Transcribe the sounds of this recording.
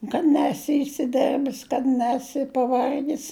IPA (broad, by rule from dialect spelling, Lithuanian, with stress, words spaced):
kɐt ˈnʲæːsʲɪ ɪsʲɪˈdʲɛrʲbʲɪs kɐt ˈnʲæːsʲɪ pɐˈʋɐrʲɡʲɪs